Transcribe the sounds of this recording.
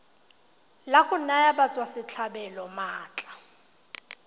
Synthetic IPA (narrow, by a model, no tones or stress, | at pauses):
laχʊn̩najabat͡sʼwasɪt͡ɬʰabɛlɔmaːt͡ɬʼḁ